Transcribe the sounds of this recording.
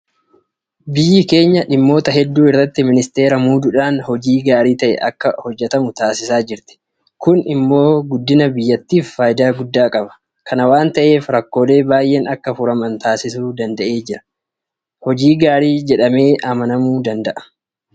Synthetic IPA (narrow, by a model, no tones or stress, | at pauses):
bɪjːɪke̞ːɲːɐᶑɪmːo̞ːt̪ɐɦɛd̪ːuːɪrːɐt̪ːɪmɪnɪst̪e̞ːɾɐmuːd̪ʊᶑaːnhɔd͡ʒiːɡaːɾiːt̪ɐʔɛ̰ʔɐ̰kːɐhɔd͡ʒːɛt̪ɐmʊt̪aːsɪsaːd͡ʒɪɾt̪ɪ̥ | kʊnɪmːo̞ːɡʊd̪ːɪnɐbɪjːɐt̪ːiːfːaːjɪd̪aːɡʊd̪ːaːkʼɐbɐ̥ | kʰɐnɐwaːnt̪ɐʔe̞ːfɾɐkːo̞ːd̪e̞ːbaːjʔeːnɐkːɐfʊɾɐmɐnt̪aːsɪsuːd̪ɐnd̪ɐʔe̞ːd͡ʒɪɾɐ̥ | hɔd͡ʒiːɡaːɾiːd͡ʒɛᶑɐme̞ːʔɐmɐnɐmuːd̪ɐnd̪ɐʔɐ̥